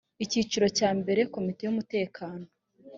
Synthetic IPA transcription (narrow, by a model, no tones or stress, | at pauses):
iciːt͡ʃiɾo̞caːmbe̞ɾe̞ko̞mite̞jumute̞ːkʰaːno